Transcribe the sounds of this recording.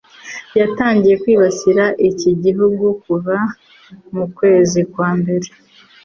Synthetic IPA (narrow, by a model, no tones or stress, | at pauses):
jataːɲɟije̞kwiːβasiɾaʔiciɟiɦuɡukuβa | mukwe̞ːzikwaːmbe̞ɾe